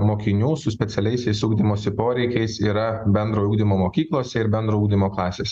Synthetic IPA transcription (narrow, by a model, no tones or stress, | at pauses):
moːkʲɪnʲuːsʊsʲpʲɛt̪ʲɛlʲɛɪsʲɛɪsuːɡd̪ʲimoːsʲɪpoːɾʲɛɪkʲɛɪsiːɾɐbʲɛnd̪ɾoːuːɡd̪ʲɪmoːmoːkʲiːklˠoːsʲɛɪɾbʲɛnd̪ɾoːuːɡ̚d̪ʲɪmoːklˠɑːsʲeːsʲɛ